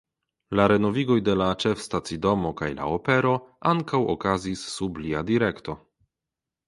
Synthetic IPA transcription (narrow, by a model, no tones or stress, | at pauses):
laɾe̞no̞viɡo̞jde̞lat͡ʃe̞fstat͡sido̞mo̞kajla̰ope̞ɾo̞aŋkawo̰kazisːubliadiɾe̞kto̞